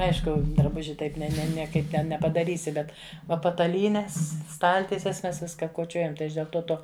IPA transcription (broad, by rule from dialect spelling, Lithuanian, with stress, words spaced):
ˈɐɪʃkʊ drɐˈbʊʒʲɪ ˈtɐɪp nʲɛ ˈnʲɛ nʲiɛˈkɐɪp ˈnʲɛ nʲɛpɐdɐˈrʲiːsʲɪ ˈbʲɛt ˈʋɐ pɐtɐˈlʲiːnʲɛs ˈstɐlʲtʲiɛsʲɛs ˈmʲɛs ˈʋʲɪskɐ koːˈt͡ʃʲoːjɛm tɐɪ ˈɐʃ dʲeːlˠ ˈtoː ˈtoː